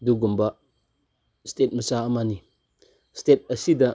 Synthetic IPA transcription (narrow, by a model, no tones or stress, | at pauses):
duɡumba | stɛt̚məsaamani | stɛt̚əsida